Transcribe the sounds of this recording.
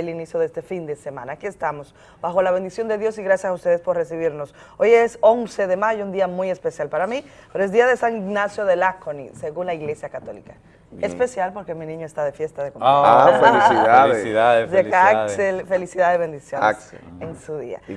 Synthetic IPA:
elinisjo̞ðest̪e̞find̪e̞se̞mãnaːkie̞st̪amo̞s | baxo̞laβ̞end̪isjo̞nd̪eðjo̞siɣɾasjasaust̪e̞ðespo̞ɾres̬iβiɾno̞s | o̞jeso̞nse̞ðe̞maʝound̪iamujespe̞sjalpaɾamipeɾoe̞zðd̪iaðe̞saŋiɣnasjo̞ðe̞lakonḭse̞ɣunlaiɣle̞sjakat̪o̞lḭka | espe̞sjalpo̞ɾke̞minĩɲoest̪aðefje̞st̪aðekoma | asiðadeaselfelisiðaðeβend̪isjon̰kseensuðḭa̰

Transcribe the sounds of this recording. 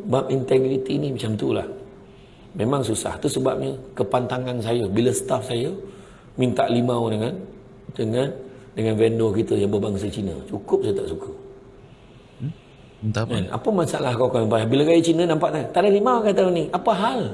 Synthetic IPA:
bap̚int̪ɛɡɾit̪inimat͡ʃamt̪ula̰h | memaŋsusa̰ht̪usəbap̚ɲəkəpant̪aŋansajəbiləsə̥t̪afsajə | mint̪a̰ʔlimawdəŋan | dəŋandəŋanvɛndɔkit̪əjaŋbəbaŋsət͡ʃinə̰t͡ʃukʊp̚sajət̪aʔsukʰə | ana̰pəmasa̰lahkokanampaabiləkajət͡ʃinənampaʔ̪at̪aʔdalimawkat̪aniʔapəɦal

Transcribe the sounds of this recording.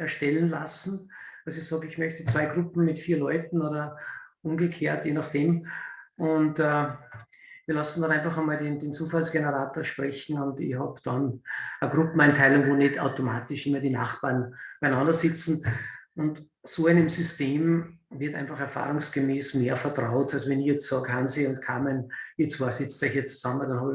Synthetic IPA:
ɛɐʃtɛlənlasn̩asɪçsɑːɡɪçmœçtət͡sv̥aɪɡʁʊpm̩mɪtfiːɐlɔʏtn̩oːdɐʔʊmɡəkʰeːɐtjeːnɑχd̥eːm | ʊntɛ | viːɐlasn̩dɔnæ̃ɪnfɑχɐmaːldendeːnt͡suːfalsɡ̥enəʁaːtoːɐʃpʁɛçn̩ʊndɪçhɑbd̥ɑnɐɡʁʊpm̩æɪntʰæɪlʊŋvoːneta̰ʊtomaːtɪʃɪmːɐdina̰χb̥aːɐnb̥aɪnɑ̃ndɐsɪt͡sn̩ʊnt | soːæɪnɪmsʏsteːm | vɪɐtʔæ̰̃ɪnfɑχɛɐfa̰ːʁʊŋsɡ̥emeːsmeːɐfɛɐtʁaʊtalsovɛnɪçjɛt͡stsɑːɡhansiʊntkʰaːmɛnit͡sfoːɐsɪt͡saɪçiɛt͡st͡ssɑmədɑnhɑːbə

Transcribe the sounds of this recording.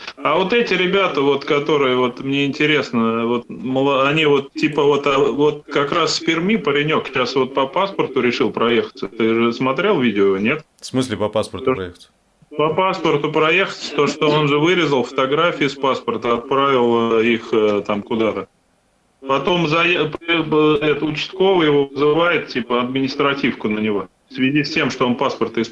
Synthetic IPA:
avo̞t̪ɛtʲɪɾʲɪbʲat̪əvo̞t̪kɐt̪o̞ɾɨjəvo̞t̪mnʲeɪnʲtʲɪɾʲe̞snəvo̞t̪̚məlˠɐnʲivo̞t̪tʲːipəvo̞t̪avo̞t̪̚kɐkɾasspʲɪrmʲipəɾʲɪnʲo̞kɕasvo̞t̪̚pəpaspərt̪ʊɾʲɪʂɨlˠpɾɐje̞xə̥t̪sət̪ɨʐɨsmɐt̪ɾʲe̞lˠvʲidʲɪonʲe̞t̪ | smɨsʲlʲɪpɐpaspəo | pəpaspərt̪ʊpɾɐjexə̥t̪sə̥t̪oʂt̪oo̞nʐɨvɨɾʲɪzəlˠfə̥t̪ɐɡɾafʲɪːspaspərt̪əɐt̪̚pɾavʲɪlˠəixət̪amkʊd̪at̪ə | pɐt̪o̞mzɐjp | ɛt̪ʊt͡ɕɪ̥st̪ko̞vəjɪvo̞vɨzɨvajɪt̪tʲipəɐd̪̚mʲɪnʲɪst̪ɾɐtʲifkʊnənʲɪvo̞ | fsvʲɪzʲisʲtʲe̞mʂt̪oonpaspərt̪ɪs

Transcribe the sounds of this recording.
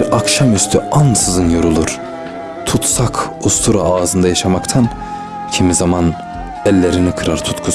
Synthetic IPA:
ɾakʃamyst̪ʰyansɯzɯnjoɾulˠuɾ̥ | t̪ʰut̪sakʰust̪ʰuɾaaːzɯnd̪ajaʃamakt̪ʰan | cʰimizaman | ɛlʲːeɾinikʰɯɾaɾt̪ʰu̥t̪kʰu

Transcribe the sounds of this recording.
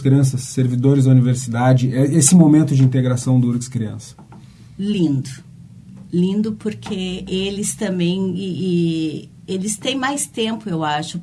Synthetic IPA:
skɾiɐ̃s̬ɐsːeɾvid̪oɾɪzd̪ɐuniveɾsid̪ad͡ʒɪɛesɪmomẽnt̪ʊd͡ʒɪĩnt̪̬eɡɾasɐ̃w̃d̪ʊuɾkɪskɾiɐ̰̃sɐ̥ | lĩnd̪ʊ | lĩnd̪ʊpoɾkʰeelɪst̪ɐ̃mbẽj̃ɪɪ | elɪst̪ẽj̃majst̪ẽmpʊewaʃʊ

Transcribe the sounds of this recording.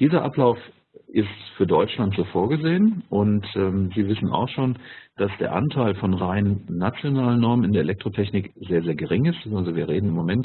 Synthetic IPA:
d̥iːzɐʔaplaʊf | ʔɪstfyːɐdɔʏt͡ʃlantz̥oːfoːɐɡəzeːənʔʊntɛːmziːvɪsn̩a̰ʊxʃoːnd̥asd̥ḛːɐʔa̰ntʰaɪlfɔnʁaɪnənnːat͡sjonaːlənːɔɐmənɪndeɐʔelɛktʁ̥otʰɛçnɪkz̥eːɐzeːɐɡəʁɪŋɪstalzoviːɐʁeːdn̩ɪmːomɛnt

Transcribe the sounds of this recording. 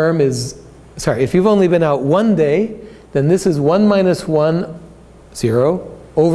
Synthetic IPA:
ɜ̃˞mɪz | sɑɹiɨfjʉvõʊ̃nlibɨ̃naʊt̚wʌ̃ndeɪ | ðɨ̃nðɪsɨzwʌ̃nmãɪ̃nɨswʌ̃n | z̥ɪɹoʊoʊv

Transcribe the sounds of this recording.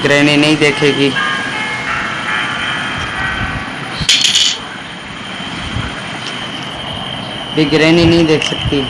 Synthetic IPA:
ɡɾeːniːnəĩːd̪eːkʰeːɡiː | b̪ɪɡɾeːnĩːnəĩːd̪eːkʰsəkt̪iː

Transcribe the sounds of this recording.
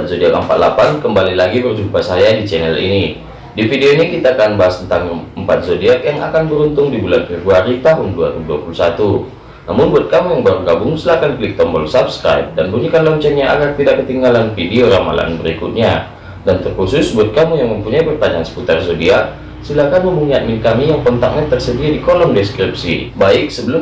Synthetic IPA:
t̪̚sodiakəmpa̰t̪̚lapankəmbalilaɡibərd͡ʒumpasajadit͡ʃɛnɛlḭni | difideoinikit̪aːkanbaɦast̪ənt̪aŋəmpat̪̚sodiaʔjaŋakanbəɾunt̪ʊŋdibulanfɛbɾuaɾit̪aɦʊnduaɾibuduapulusat̪u | na̰mʊnbuat̪̚kamujaŋbaɾuɡabʊŋsəlahkanklik̚t̪ɔmbɔlsapskɾa̰ip̚danbuɲikanlaɲt͡ʃanɲaʔaɡart̪idaʔkət̪iŋɡalanfidioɾama̰la̰nbəɾikʊ̰t̪̚ɲa | dant̪ərkusʊsbuat̪̚kamujaŋməmpuɲaibərpaɲd͡ʒansə̥put̪arsodiak̚ | silahkanməmuɲat̪̚mɪnkamijaŋpɔnt̪ak̚ɲat̪ərsədiadikolɔmdɛskɾip̚sḭbaɪk̚səbəlʊm

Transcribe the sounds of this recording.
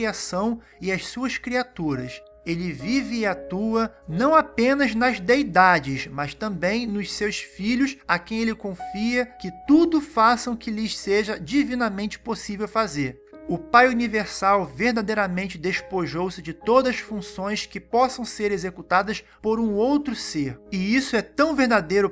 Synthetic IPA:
iasɐ̃w̃ | ɪɐssuɐskɾiat̪uɾɐs | elɪvivɪːat̪uɐnɐ̃w̃apẽnɐznɐzd̪ejd̪ad͡ʒɪʃmɐʃt̪ɐ̃mbẽj̃nʊʃsewsfiʎʊʃakẽj̃elɪkõfiɐkɪt̪ud̪ʊfasɐ̃w̃kɪlɪʃseʒɐd͡ʒivĩnɐmẽnt͡ʃɪ̥posivewfazeɾ | ʊpajuniveɾsawveɾd̪ad̪ejɾɐmẽnt͡ʃɪd̪eʃpoʒowsɪd͡ʒɪt̪od̪ɐɐsfũsõj̃skɪpɔsɐ̃w̃seɾezekut̪ad̪ɐspoɾũowt̪ɾʊseɾɪisʊɛt̪ɐ̃w̃veɾd̪ad̪ejɾʊ

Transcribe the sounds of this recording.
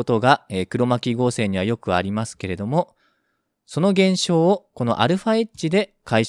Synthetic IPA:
ot̪o̞ɡaeːkɯ̟ɾo̞makʲiɡo̞ːse̞ːɲ̟iβ̞ajo̞kɯ̟aɾʲimasɨ̥ke̞ɾe̞d̪o̞mo̞ | so̞no̞ɡẽ̞ɰ̃ɕo̞ːko̞no̞̰ʔa̰ɾɯ̟ɸaet͡ɕːid̪e̞kai

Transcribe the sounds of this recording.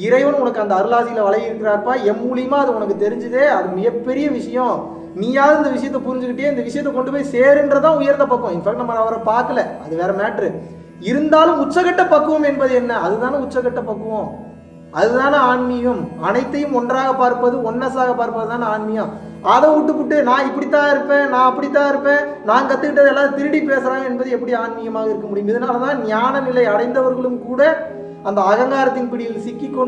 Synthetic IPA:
ɪɾɐɪʋɐnʊnɐkːɯɐnd̪ɐɐɾɯlaːsɪjɪlɐʋɐɭɐjɪɾɯkːɪɾaːɾpːaːɛmːuːlɪjɯmaːɐðɯɔnɐk̬ːɯt̪ɛɾɪɲd͡ʒɯðeːɐðɯmɪɣɐpːɛɾɪjɐʋɪʂɐjɔ̃ | niːjaːðɐɪnd̪ɐʋɪʂɐjɐt̪ːɐpʊɾɪɲd͡ʒɯkːɪʈːɪjeːɪnd̪ɐʋɪʂɐjɐt̪ːɐkɔɳɖɯpːoːjiseːɾɯndɾɐt̪ãːʊjɐɾnd̪ɐpɐkːɯõɪnfɐːk̚ʈnɐmːɐɾaːʋɐɾɐpaːɾkɐlɐɐðɯʋeːɾɐmaːʈɾɯ | ɪɾɯnd̪aːlɯ̃mʊt͡ʃːɐkɐʈːɐpɐkːɯʋɐmɛnbɐðɯɛnːɐɐðɯt̪ãːnɐʊt͡ʃːɐkɐʈːɐpːɐkːɯʋõ | ɐðɯnaːlɐaːnmɪɣɐmɐnɐɪt̪ːɐjɯmɔndraːɣɐpaːɾpːɐðɯɔnːɐsaːɣɐpaːɾpːɐðɯt̪aːnaːɳmɪjɐ | ɐðɐ̃uʈːɯpːʊʈːɯnãːɪpːɐɽɪt̪ːãːɪɾɯpːẽːnãːɐpːɐɽit̪̬ːãːɪɾɯpːẽː | naːŋkɐt̪ːɯkːɪʈːɐðɛlːaːðɯt̪ɪɾɯɽipeːsɾãːŋɡɐɛnbɐðɯɛpːɐɽiaːɳmɪjɐmaːɣɐɪɾɯkːɐmʊɽɪjʊ̃mɪðɐnaːlɐt̪ãːnɪjaːnɐnɪlɐɪɐɽɐɪnd̪ɐʋɐɾɣɐɭɯmkuːɽɐ | ɐnd̪ɐːɣɐŋɡaːɾɐt̪ːɪnpɪɽɪjɪlsɪkːɪkːo

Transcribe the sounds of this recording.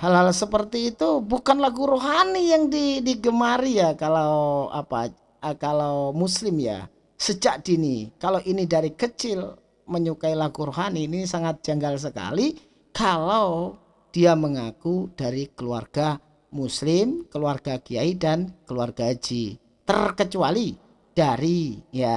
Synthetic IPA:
halhalsəpərt̪iːt̪ubukanlaɡuɾoɦanijaŋdidiɡəmaɾijakalawa̰pa̰ | əkalawmuslɪmja̰ | səd͡ʒaʔd̥inikalowʔinidaɾikət͡ʃɪl | məɲukailaɡuɾoɦaniːnisaŋat̪̚d͡ʒ̥aŋɡals̬əka̰li | kalaw | d̥iaməŋakud̥aɾikəlua̰rɡ̥a | muslɪmkəluarɡ̥aɡiaidankəluarɡad͡ʒḭ | t̪ərkət͡ʃuali | d̥aɾija

